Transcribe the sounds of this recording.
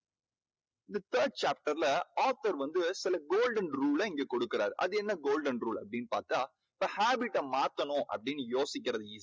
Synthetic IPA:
ɪnd̪ɐt̪ʰɐːɾɖ̚t͡ʃaːp̚ʈɐɾlɐaːt̪ɐɾʋɐnd̪ɯsɪlɐɡoːlɖɐnɾuːlɐɪŋɡeːkɔɽɯkːɪɾaːɾʔɐ̰ðɯɛnːɐɡoːlɖɐnɾuːlɐpːɐɽɪnːpa̰ːɾt̪aː | ɪpːɐːhaːbɪʈːɐmaːt̪ːɐnʊ̃ʔɐ̰pːɐɽɪnːɯjoːsɪk̬ʲːɪɾɐðɯiːs

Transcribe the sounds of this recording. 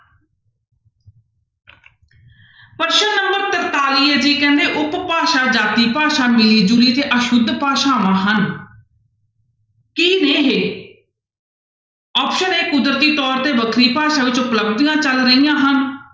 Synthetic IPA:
pəɾʃəːnəmbəɾt̪əɾt̪aːliːɛd͡ʒiːkɛ̃ːnd̪eːʔʊppaːʃaːd͡ʒaːt̪iːpaːʃaːmɪliːd͡ʒuɾiːt̪eːʔəʃʊd̪ʱpaːʃaːʋãːɦən | kiːneːɦeː | ɔːpʃəneːkʊd̪ɾət̪iːt̪ɔːɾt̪eːbəkʰɾiːpaːʃãːʋɪt͡ʃʊpləb̚d̪ijãːt͡ʃəlɾəijãːɦən

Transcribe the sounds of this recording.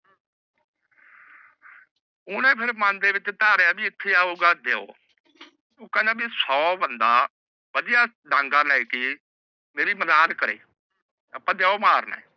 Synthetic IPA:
ʊnɛ̃ːpʰɪɾmãnd̪eːʋɪt͡ʃt̪aːɾeaːbiːɪt̪ʰːeːaːuːɡaːd̪eːo̰ː | ʊːkəːnẽːbiːsɔːbənd̪aː | ʋəd̪ɪjaː | ɖãːŋɡaːnːeːkɪ | meːɾiːməzaːnkəɾḛː | əpːãːd̪eːoːmaːɾna̰ɛː

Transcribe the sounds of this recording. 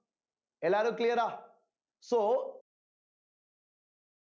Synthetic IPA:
elaɾokliəɾa | so

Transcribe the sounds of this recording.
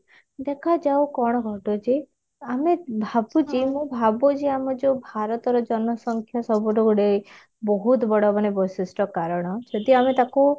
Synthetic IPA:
d̪ekʰad͡ʒawkɔɽ̃ɔɡʱɔʈod͡ʒe | amebʱabut͡ʃimũbʱabod͡ʒiamɔd͡ʒɔbʱaɾɔt̪ɔɾɔd͡ʒɔnɔsɔŋkʰjasɔbuʈɔɡuɽe | bɔɦut̪bɔɽɔmanebɔsisʈɔkaɾɔɽ̃ɔd͡ʒɔd̪iamet̪aku

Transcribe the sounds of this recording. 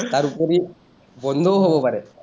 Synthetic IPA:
t̪aɾupɔɾi | bɔnd̪ʱoːɦobɔpɐɾe

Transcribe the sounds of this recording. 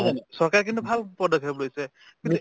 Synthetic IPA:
sɔɹkaɹkintubʱalpɔdɔkɦeblojsɛ | ki

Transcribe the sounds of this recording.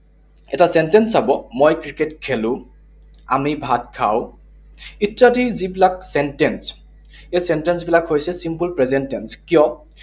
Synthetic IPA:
ɛtasɛntensabɔmojkɹiketkʰelʊ̃ | a̰mibʱatkʰa̰w | itɹatizibilak̚sɛntɛns | ejsɛntensbilakhojsɛsimpulpɹɛzentenskijɔ

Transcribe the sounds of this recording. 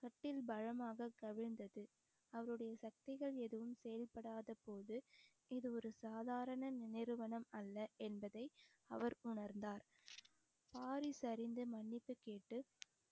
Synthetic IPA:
kɐʈːɪlbɐɻɐmaːɣɐkɐʋɪɻnd̪ɐðɯ | ɐʋɐɾɯɽɐjɐsɐk̚t̪ɪɣɐɭɛðɯʋɯmsɛjɐlpɐɽaːðɐpoːðɯ | ɪðɯɔɾɯsaːðaːɾɐɳɐnnɪɾɯʋɐnɐmɐlːɐɛnbɐðɐɪ | ɐ̰ʋɐɾʊɳɐɾnd̪aːɾ | paːɾɪsɐɾɪnd̪ɯmɐɳːɪpːɯkeːʈːɯ

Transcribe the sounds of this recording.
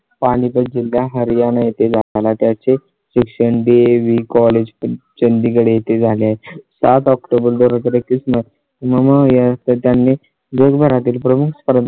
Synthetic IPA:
paɽ̃ipət̚d͡ʑilːjaɦəɾijanajet̪ed͡zʱalat̪jat͡se | ɕikʂəɳɖeʋikɔled͡ʑt͡ɕənd̪ikəɽejet̪ed͡zʱaleaɦesat̪ɔkʈobəld̪oɾat̪əɾekːismə | məmaɦjad͡zat̪ət̪janːe | d͡ʑəɡbʱəɾat̪̬iːlpɾəmukʰspəɾd̪

